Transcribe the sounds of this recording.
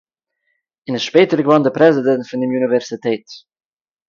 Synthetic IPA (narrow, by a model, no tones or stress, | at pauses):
ɪnɪsʃpeːtəɾɡəvɔndəpɾɛzɪdɛntfʊndɪmjunivɛɾsitʰeːt